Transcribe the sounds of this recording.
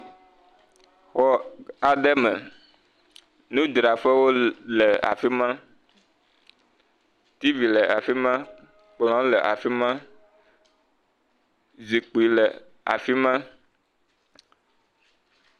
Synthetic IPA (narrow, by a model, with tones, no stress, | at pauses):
xɔ˨a˨ɖɛ˦mɛ˨ | nũ˦d̪ɾa˨fɛ˦wo˦lɛ˨a̰˨fi˦mã˦ | t̪i˦vi˨lɛ˨a˨fi˦mã˦ | k͡plɔ̃˨˦lɛ˨ʔa̰˨fi˦mã˦ | zi˨k͡pi˨lɛ˨ | a̰˨fi˦mã˦